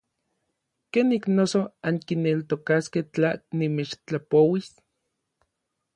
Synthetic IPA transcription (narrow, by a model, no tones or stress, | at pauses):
keniknosoaŋkinelt̪okasket͡ɬanimet͡ʃt͡ɬapowis